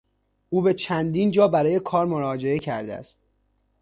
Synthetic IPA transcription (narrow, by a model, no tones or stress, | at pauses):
ʔuːbe̞t͡ʃʰænd̪iːnd͡ʒɒːbæɾɒːje̞kʰɒːɾmoɾɒːd͡ʒe̞e̞cʰæ̰ɾd̪æ̰st̪̚